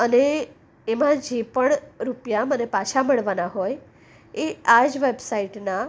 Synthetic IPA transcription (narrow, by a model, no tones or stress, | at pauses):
əneː | mãd͡ʒepəɳɾupjamənepaʃʰaməɭʋanaɦoj | ead͡ʒʋebsaiʈna